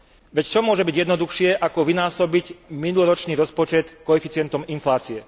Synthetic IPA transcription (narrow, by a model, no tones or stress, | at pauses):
ʋɛct͡ʃɔmʊɔʒɛbiɟjɛd̪nɔd̪uxʃɪɛʔakɔʋinaːsɔbiɟminulɔɾɔt͡ʃniːɾɔspɔt͡ʃɛt̪kɔɛfit͡sɪɛnt̪ɔminflaːt͡siɛ